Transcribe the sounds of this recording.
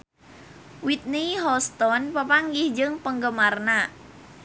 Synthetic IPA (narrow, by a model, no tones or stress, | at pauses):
wit̪̚niɦɔst̪ɔnpəpaŋɡɪhd͡ʒɨŋpəŋɡəmarna